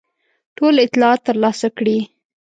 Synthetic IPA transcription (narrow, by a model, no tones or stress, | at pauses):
ʈolɪt̪lɑɑt̪ːəɾlɑsakɽi